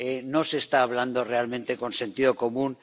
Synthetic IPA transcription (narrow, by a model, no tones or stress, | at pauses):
eno̞se̞ːst̪aːβ̞land̪o̞re̞almẽnt̪e̞ko̞nse̞nt̪iðo̞ko̞mũn